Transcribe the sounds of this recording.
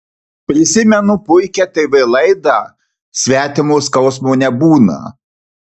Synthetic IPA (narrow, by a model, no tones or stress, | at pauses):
pʲɾʲɪsʲɪmʲɛnʊpʊɪkʲɛt̪ɐɪʋɐɪlˠɐɪd̪ɐ | sʲʋʲæːt̪ʲɪmʊskɐʊsmoːnʲɛbuːnɐ̰